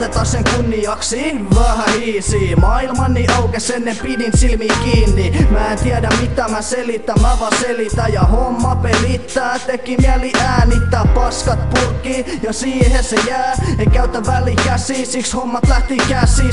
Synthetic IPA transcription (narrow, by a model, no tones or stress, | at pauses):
t̪et̪ːɑsseŋkunːijɑksiːʋæhæhiːsiːmɑilmɑnːiʔɑukesenːempidinsilmiːkiːnːimæːent̪iɛdæmmit̪æmæselit̪ːæmmæʋɑselit̪æjjɑhomːɑpelit̪ːæːt̪ekːimiæliʔæːnit̪ːæːppɑskɑt̪̚purkːiːjɑsiːhesejæːekæyt̪ːæʋælːˑikæsiːsikshomːɑt̪læht̪ikæsiː